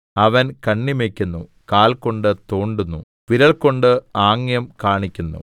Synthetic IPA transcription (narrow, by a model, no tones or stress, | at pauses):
ɐʋɐnkɐɳːimekʲːunːu | kaːlko̞ɳɖɨt̪o̞ːɳɖunːu | ʋiɾɐɭko̞ɳɖɨaːŋjɐmkaːɳikʲːunːṵ